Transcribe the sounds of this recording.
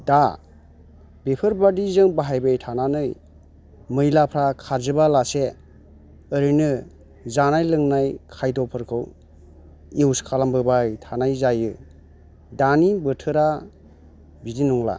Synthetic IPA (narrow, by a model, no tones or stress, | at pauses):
da | bepʰɯɾbadizɯŋbaɦajbajtʰananɯj | mɯjlapʰɾakʰaɾzɯbalase | əɾɯnɯ | zanajlɯŋnajkʰajdɔpʰɯɾkʰɯw | iwskʰalambɯbajtʰanajzajɯ | danibɯtʰɯɾa | bidinɔŋla̰